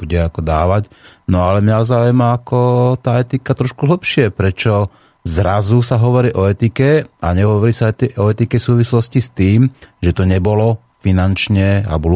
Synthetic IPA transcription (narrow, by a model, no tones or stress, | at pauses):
uɟɛakɔd̪aːʋacnɔalɛmalzaːujɛmaːkɔt̪aːɛt̪ikat̪ɾɔʃkuɦl̩pʃɪɛpɾɛt͡ʃɔ | zɾazusaɦɔʋɔɾiːʔɔɛt̪ikɛʔa̰ɲɛɦɔʋɔɾiːsaɛɔɛt̪ikɛsuːʋislɔscist̪iːmʒɛt̪ɔɲɛbɔlɔ | finant͡ʃɲɛa̰bɔl